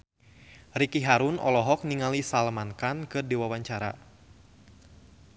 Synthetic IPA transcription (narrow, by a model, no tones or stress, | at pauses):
rikiɦaɾunɔ̰lɔɦɔk̚niŋalisalmankankɨrdiwawaɲt͡ʃaɾa̰